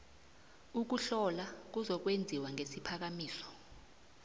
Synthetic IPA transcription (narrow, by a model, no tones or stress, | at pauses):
uk̬uɬɔlak̬uzɔk̬wend͡zʱiwaŋʱesipʰak̬amiːsɔ̥